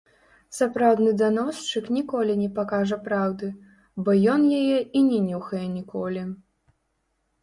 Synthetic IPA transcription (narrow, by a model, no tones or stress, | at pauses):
sapɾawd̪nɨd̪anɔst͡ʂɨknʲikɔlʲinʲɛpakaʐɐpɾawd̪ɨ | bɔjɔnjajɛinʲɛnʲuxɐjɛnʲikɔlʲi